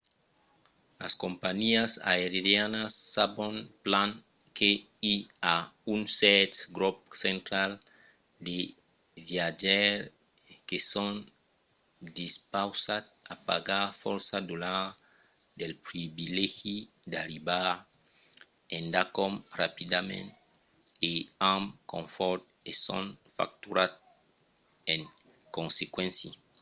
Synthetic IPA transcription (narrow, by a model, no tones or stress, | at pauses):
la̰skompaɲiasa̰eɾiɾjanasːabõŋplãŋ | kʰe | iaunsɛt̪ɡɾɔp̚sẽnt̪ɾal | d̪e | vjad͡ʒɛɾ | kesɔn | d̪ispawsat̪apa̰ɡafɔɾsad̪ula | d̪ɛlpɾibilɛɣi | d̪aɾiba | ɛ̃ndakɔmrapid̪amɛ̰̃nt | eamkɔ̃ɱfɔt̪ | esɔ̰̃nfa̰k̚t̪uɾat̪̚ | ɛ̃ŋ | kɔ̃nsekwɛ̃nsji